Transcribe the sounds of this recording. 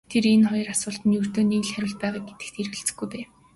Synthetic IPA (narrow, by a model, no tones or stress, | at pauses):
t̪ʰeɾenχɔjɞ̆rasʊːɬt̪ə̆njɵr̥t̪oːniɣɮχæɾʲʊ̆ːɮt̪̚pæːʁaːk̚ɡet̪ɘ̆k̚t̪ʰeɾɘɣɘ̆ɬt͡sɘ̥̆xɡujpeː